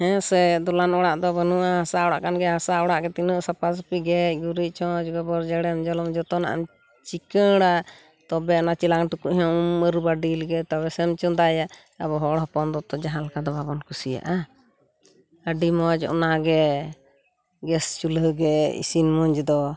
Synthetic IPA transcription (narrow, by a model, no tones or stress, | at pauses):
hɛ̃sɛd̪ɔlanɔɽaʔd̪ɔbənuaɦasaʔɔɽaʔkanɡɛɦasaʔɔɽaʔɡɛt̪inəʔsapas̬piɡɛc̚ɡuɾic̚t͡ʃɔ̃d͡ʒɡɛbɔɾd͡ʒɛɽɛmd͡ʒɔlɔmd͡ʒɔt̪ɔnaʔa̰m | t͡ʃikəɽa | t̪ɔbɛɔnat͡ʃilaŋʈukuʔɦɔ̃məɾubaɖilɡɛt̪ɔβɛsɛmt͡ʃɔd̪aja | abɔɦɔɽɦɔpɔnd̪ɔt̪ɔd͡ʒaɦalkad̪ɔbabɔnkusija̰ʔa | əɖimɔd͡ʒɔ̰ʔnaɡɛ | ɡɛst͡ʃulɦəɡɛḭsinmɔɲd͡ʒd̪ɔ